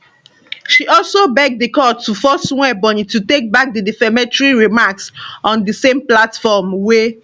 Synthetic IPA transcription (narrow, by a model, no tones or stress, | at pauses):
ʃiɔlsobɛɡ̚dikɔtːufɔsw̃ɛbɔ̃nitutek̚bak̚didifɛmɛ̃tɹiɹimaksɔ̃ndəsẽmplatfɔmwe